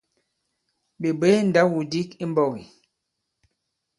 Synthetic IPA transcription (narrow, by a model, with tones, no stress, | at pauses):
bi˨be˨˦n̩˨da˦wu˨di˦ki˦m˦bɔ˨ɣi˨